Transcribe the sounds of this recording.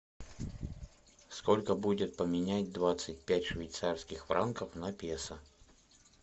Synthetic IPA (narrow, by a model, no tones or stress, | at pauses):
skolʲkəbudʲɪt̪̚pəmʲɪnʲætʲd̪vat̪sɨtʲpʲætʲʂvʲɪjt̪sarskʲɪxfɾankəfnɐpʲesə